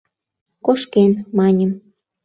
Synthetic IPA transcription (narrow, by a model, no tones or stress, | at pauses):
koʃkenmɑnʲə̆m